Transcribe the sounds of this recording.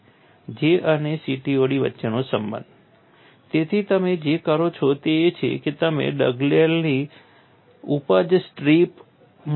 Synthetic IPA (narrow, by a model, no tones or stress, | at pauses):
d͡ʒeʔənesiʈioɽiʋə̰tːʃenosəmbə̰̃nd̪ʱ | t̪et̪ʰit̪əmed͡ʒekaɾot͡ʃʰɔt̪eːt͡ʃʰḛket̪əmḛɖə̰ɡlalni | upad͡ʒsʈɾip | m